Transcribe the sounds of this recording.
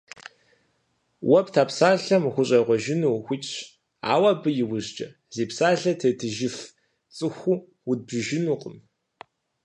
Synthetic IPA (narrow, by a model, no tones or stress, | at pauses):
wɐptʰaːpsaːɬɐmxʷʊɕʼɐʁʷɔʒɪnuːxʷʊt͡ʃʼ | a̰ːwabɨjɪwʊʑd͡ʒʼɐ | zeːpsaːɮɐtʰɐtʰɨʒɪf | t͡sʼɨxʷuː | wʊd̚bɨʒɪnuːqʼəm